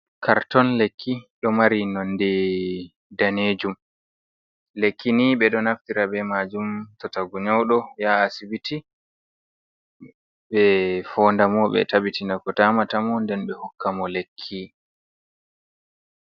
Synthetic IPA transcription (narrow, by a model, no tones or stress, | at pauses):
kʰaɾtɔnlekʰːiɗɔmaɾinɔndɛ | daneːd͡ʒum | lekʰːiniɓɛɗɔnaftiɾabɛmad͡ʒumtɔtaɡuɲɔwɗɔjaːsibiti | ɓɛfɔːndamɔɓɛ̰tabitinakɔtamatamɔndɛnɓɛhukːamɔlekʰːi